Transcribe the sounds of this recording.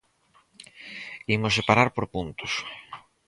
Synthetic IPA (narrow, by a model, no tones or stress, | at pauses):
imʊsepaɾaɾpoɾpunt̪ʊs